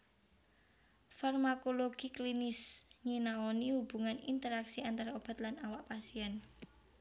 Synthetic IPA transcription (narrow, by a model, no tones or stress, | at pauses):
farmakoloɡ̥iklinɪsɲinaonihub̥ṳŋanḭnt̪əɾaksiant̪aɾaob̥a̤t̪lanawaʔpasiɛn